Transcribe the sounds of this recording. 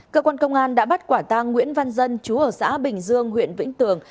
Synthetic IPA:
kəː˧kwaː˧nkə˧wŋ͡mʔaː˧nɗa̰ː˧˥ɓa˦˥t̚kwaː˧˩t̪a˧ŋːwḭ˧˥ənva˧nzə˧nt͡ɕu˨˦ʔəː˧˩sa̰ː˧˥ɓï˨˩ŋ̟zɨ˧əŋɦwḭ˧˨ənvḭ̈˧˥ŋ̟t̪ɨ˨˩əŋ

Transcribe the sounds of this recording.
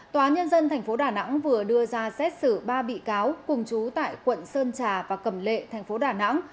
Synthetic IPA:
t̪waː˨˦ɲə˧nzə˧nt̪ʰɛ˨˩jŋ̟fo˨˦ɗaː˨˩na̰˧˥ŋvɨ˨˩əɗɨ˧əzaː˧sɛ˦˥t̚sɨ˧˩ɓaː˧ɓḭ˧˨kaː˨˦wkʊ˨˩ŋ͡mt͡ɕu˨˦t̪a̰ː˧˨jxwə̰˧˨nsəː˧nt͡ɕaː˨˩vaː˨˩kə˧˩mlḛ˧˨t̪ʰɛ˨˩ŋ̟fo˨˦ɗaː˨˩na̰˧˥ŋ

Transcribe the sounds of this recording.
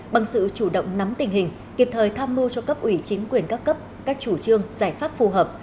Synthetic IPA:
ɓa˨˩ŋsɨ̰˧˨t͡ɕu˧˩ɗə̰˧˨wŋ͡mna˨˦mt̪ï˨˩ŋ̟hï˨˩ŋ̟ | ki˨˩p̚t̪ʰəː˨˩jt̪ʰaː˧mmu˧t͡ɕɔ˧kə˦˥p̚ʔwi˧˩t͡ɕï˨˦ŋ̟kwi˨˩ənkaː˦˥kːə˦˥p̚ | kaː˦˥k̚t͡ɕu˧˩t͡ɕɨ˧əŋzaː˧˩jfaː˦˥p̚fu˨˩ɦəː˨˩p̚

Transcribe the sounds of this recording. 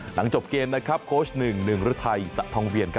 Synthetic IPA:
la˩˦ŋt͡ɕo˨˩p̚keː˧nːa˦˥kʰɾa˦˥p̚kʰoː˦˥snɯ˨˩ŋnɯ˨˩ŋɾu˦˥t̪ʰa˧jsa̰˨˩ʔt̪ʰɔː˧ŋwi˧ənkʰ

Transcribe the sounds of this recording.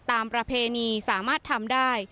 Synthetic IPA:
t̪aː˨˧mpɾa˧pʰeː˧niː˧saː˩˦maː˥˩t̪ʰːa˧mdaː˥˩j

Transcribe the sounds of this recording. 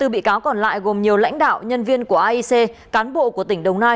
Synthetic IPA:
t̪ɨ˨˩ɓḭ˧˨kaː˨˦wkɔ˨˩nla̰ː˧˨jɣo˨˩mɲi˨˩əwla̰˧˥jŋ̟ɗa̰ː˧˨wɲə˧nvi˧ənku˧˩əʔaː˧ʔi˧se˧kaː˨˦nɓo̰˧˨ku˧˩ət̪ï˧˩ŋ̟ɗə˨˩wŋ͡mnaː˧j

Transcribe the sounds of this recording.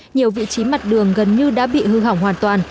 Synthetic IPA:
ɲi˨˩əwvḭ˧˨t͡ɕi˨˦ma˨˩t̚ɗɨ˨˩əŋɣə˨˩nɲɨ˧ɗa̰ː˧˥ɓḭ˧˨hɨ˧ɦa˧˩wŋ͡mhwaː˨˩nt̪waː˨˩n

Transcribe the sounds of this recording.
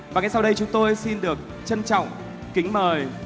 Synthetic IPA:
vaː˨˩ŋa˧jsa˧wɗə˧jt͡ɕʊ˨˦ŋ͡mt̪o˧jsi˧nɗɨ˨˩ək̚ | t͡ɕə˧nt͡ɕɔ̰˧˨wŋ͡m | kï˨˦ŋ̟məː˨˩j

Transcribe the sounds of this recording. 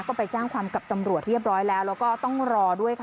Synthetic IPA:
kɔː˥˩pa˧jt͡ɕaː˥˩ŋkʰwaː˧mka˨˩p̚t̪a˧mɾu˨˩ət̪̚ɾi˥˩əp̚ɾɔː˦˥jlɛː˦˥wɾɛː˦˥kɔː˥˩t̪ɔ˥˩ŋɾɔː˧du˥˩əjkʰ

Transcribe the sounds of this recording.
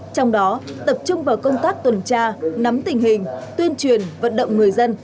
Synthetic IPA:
t͡ɕɔ˧wŋ͡mɗɔ˨˦t̪ə˨˩p̚t͡ɕʊ˧ŋ͡mvaː˨˩wkə˧wŋ͡mt̪aː˦˥k̚t̪wə˨˩nt͡ɕaː˧na˨˦mt̪ï˨˩ŋ̟ɦï˨˩ŋ̟t̪wi˧ənt͡ɕwi˨˩ənvə̰˧˨nɗə̰˧˨wŋ͡mŋɨ˨˩əjzə˧n

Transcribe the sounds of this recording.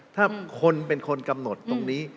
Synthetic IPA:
t̪ʰaː˥˩kʰo˧npe˧nkʰo˧nka˧mno˨˩t̪ːo˧ŋniː˦˥

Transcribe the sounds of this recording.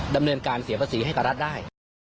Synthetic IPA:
da˧mnɤː˧nkaː˧nsi˨˩˦ɐpʰa˧siː˩˦a˥˩jka˨˩ɾa˦˥t̪̚daː˥˩j

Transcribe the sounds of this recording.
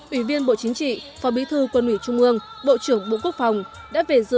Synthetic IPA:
ʔwi˧˩vi˧ənɓo̰˧˨t͡ɕï˨˦ŋ̟t͡ɕḭ˧˨fɔ˨˦ɓi˨˦t̪ʰɨ˧kwə˧nwi˧˩t͡ɕʊ˧ŋ͡mʔɨ˧əŋ | ɓo̰˧˨t͡ɕɨ˧˩əŋɓo̰˧˨ku˦˥ək̚fa˨˩wŋ͡m | ɗa̰ː˧˥ve˨˩zɨ̰˧

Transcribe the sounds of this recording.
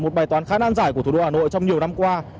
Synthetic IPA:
mo˨˩t̚ɓaː˨˩jt̪waː˨˦nxaː˧˦na˧ŋzaː˧˩jkət̪u˨˩o˧haː˨˩no̰˧˨jt͡ɕɔ˧wŋ͡mɲi˨˩əwna˧mkwaː˧

